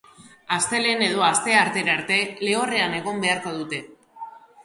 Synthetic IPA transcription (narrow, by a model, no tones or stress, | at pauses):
ast̪e̞le̞ne̞ð̞o̞ast̪e̞aɾt̪e̞ɾaɾt̪e̞le̞o̞re̞ane̞ɣ̞o̞mbe̞aɾko̞ðut̪e̞